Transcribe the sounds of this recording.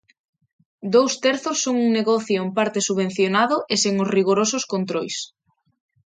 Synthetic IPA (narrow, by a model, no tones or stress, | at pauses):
d̪owst̪ɛɾθosːoŋuŋneɣɔθjoempaɾt̪esuβẽn̟θjonaðʊʔeseŋʊsriɣoɾosʊskont̪ɾojs